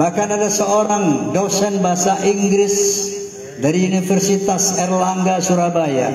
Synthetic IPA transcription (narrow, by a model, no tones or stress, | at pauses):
bahkanadasəoɾaŋdɔksɛnbaɦasaʔiŋɡɾɪs | daɾiunifərsit̪asɛrlaŋɡasuɾabaja̰